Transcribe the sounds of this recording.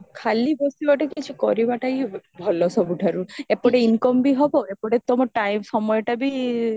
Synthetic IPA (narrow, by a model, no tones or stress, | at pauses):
kʰalibɔst̪ubaʈakit͡ʃʰikɔɾibaʈajbʱɔlɔsɔbuʈʰaɾuepɔɽeinkɔmbiɦɔboepɔɽet̪ɔmɔʈajmsɔmɔjɔʈabi